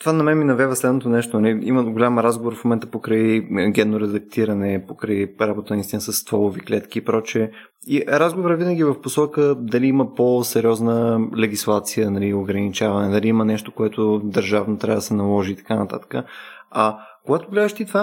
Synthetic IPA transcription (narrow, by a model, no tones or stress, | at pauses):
t̪vanɐmɛminɐvɛvəslɛd̪not̪onɛʃt̪oɐliḭməɡolʲamɾazɡovoɾfmomɛnt̪əpokɾəiɡʲɛnːoɾɛd̪ɐk̚t̪iɾɐnɛpokɾɐiɾabot̪ənɐist̪inəsəsːt̪vɔlˠoviklɛt̪k̟iːpɾɔt͡ʃɛ | iɾazɡovoɾəvinəɡʲivɐfposɔkəd̪ɐliiməposɛɾʲiɔznəlɛɡʲislˠat̪sijənɐlioɡɾɐnit͡ʃavɐnɛd̪ɐliimənɛʃt̪okoɛt̪od̪ɐɾʒavnot̪ɾʲavɐəd̪əsɛnɐlˠɔʒiːt̪ɐ̥kanɐt̪a̰t̪ə̥kəɐkoɡat̪oɡlɛd̪əʃt̪it̪va